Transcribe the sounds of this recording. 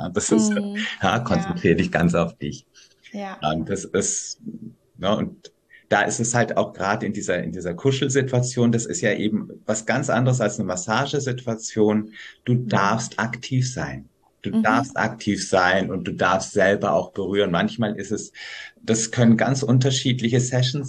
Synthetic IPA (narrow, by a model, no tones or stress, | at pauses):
ja̰d̥asɪsjaːkʰɔnt͡sɛntʁ̥iːʁədɪçɡ̥ant͡saʊfd̥ɪç | ʔɛmd̥asɪs | nəʔʊ̰nt̚ | d̥aːʔɪstɛshalta̰ʊxɡ̥ʁaːdəɪndiːzɐɪ̰ndiːzɐkʰʊʃl̩zɪtuat͡sjoːndasɪ̰stjaːʔeːbm̩vasɡ̥ant͡sʔa̰ndəʁəsalsnəmasaːʒəzɪtʰuat͡sjoːnd̥uːd̥aɐfstʔaktʰiːfz̥aɪn | d̥uːdaɐfstʔa̰ktʰiːfz̥aɪnʊnt̚d̥uːdaɐfstz̥ɛlbɐʔa̰ʊxb̥əʁyːʁ̞ənmançmaːlʔɪstɛsd̥askʰœnənɡant͡sʔʊnt̬ɐʃiːtlɪçəsɛʃn̩s